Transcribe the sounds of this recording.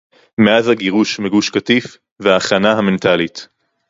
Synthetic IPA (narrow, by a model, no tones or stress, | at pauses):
meazhaɡiʁuʃmeɡuʃkatif | veaːχanaɦame̞ntalit